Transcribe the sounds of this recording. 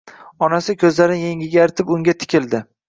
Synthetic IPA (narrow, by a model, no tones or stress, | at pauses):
ɒnasɪkʲʰɵzlaɾɪnjeŋʲɪɡʲaɾɪt̪ʰɪpʊŋɡʲat̪ʰɪ̥kʲʰɪld̪ɪ